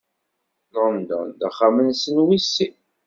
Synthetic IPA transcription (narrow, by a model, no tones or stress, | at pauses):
lɑnd̪æ̰nd̪aχamənsənwisːi